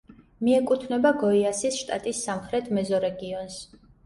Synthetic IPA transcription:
miɛkʼut̪ʰnɛbaɡɔiasisʃt̪ʼat̪ʼisːamχɾɛt̪ʰmɛzɔɾɛɡiɔns

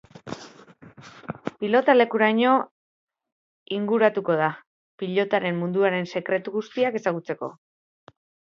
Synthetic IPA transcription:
pilo̞t̪ale̞kuɾaɲo̞ | iŋɡuɾat̪uko̞ð̞a | piʎo̞t̪aɾe̞mːund̪uaɾe̞nse̞kɾe̞t̪uɣust̪iake̞saɣ̞ut͡se̞ko̞̰

